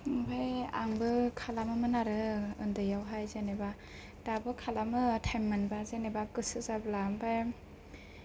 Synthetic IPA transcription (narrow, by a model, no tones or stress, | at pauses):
ŋbajaŋbɯkʰalamɯmɯnaɾɯɯndɯjawɦajzeneba | dabɯkʰalamɯtʰajmːanbazenebakɯsɯzablambaj